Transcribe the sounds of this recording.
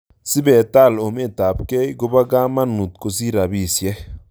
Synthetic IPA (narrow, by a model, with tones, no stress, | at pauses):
si˦bɛ˨t̪a˦˨lo˨me˦t̪a˨pke˦jɡo˦ba˦ɡa˦ma˦nu˨t̪ko˨s̬i˦ɾa˨bi˦˨sjɛ˦